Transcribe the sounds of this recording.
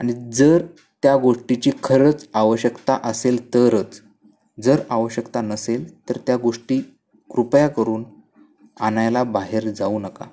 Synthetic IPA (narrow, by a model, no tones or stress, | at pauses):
aɽ̃id͡zəɾ | t̪jaɡoʂʈit͡ɕiːkʰəɾət͡saʋəɕəkt̪aʔəselt̪əɾət͡s | d͡zəɾaʋəɕjəkt̪anəselt̪əɾt̪jaɡoʂʈiː | kɾupjakəɾuːn | anajlabaɦeɾd͡zauːnəka̰